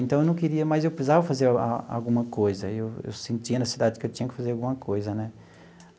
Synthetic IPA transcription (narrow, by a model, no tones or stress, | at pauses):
ẽnt̪ɐ̃ewnɐ̃w̃kiɾiɐmɐzewpsizavɐfazeɾa̰a̰wɡũmɐkojzɐewḛwsẽnt̪iɐnɐsid̪ad͡ʒɪkɪewt͡ʃĩɲɐkɪ̥fazeɾawɡũmɐkojzɐnɛ